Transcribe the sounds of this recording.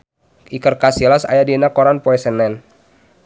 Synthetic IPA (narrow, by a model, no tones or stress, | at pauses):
ʔikərkasilasa̰jadinakɔɾanpoɛsɛnɛn